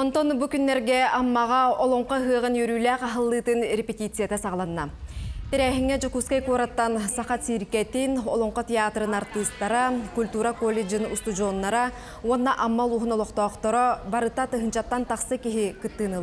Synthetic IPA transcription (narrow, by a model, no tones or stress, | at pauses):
ɔnt̪ɔnbukynːɛɾɡɛamːaʁaɔlˠɔɴqɔɦɯɐʁɯnjœɾyːlæːqaɦɯlˠːɯːt̪ɯnɾʲepʲet̪ʲit̪sɨjat̪asɑʁlˠannat̪iɾɛːɦiŋːɛd͡ʒɔkuskajkuɾat̪ːansaχat̪siːɾkɛt̪inɔ̰lˠɔɴqɔt̪ʲeaːt̪ɾɯnaɾt̪ɯst̪ːaɾakulʲt̪uːɾakolʲːed͡ʒɯnust̪ud͡ʒɔnːaɾa | uɔnːaʔamːalˠuːɦunɔlˠɔqt̪ɔːqt̪ɔɾɔbaɾɯt̪at̪ɯɦɯnt͡ɕat̪ːant̪aχsɯkiɦikɯt̪ːɯːnɯlˠ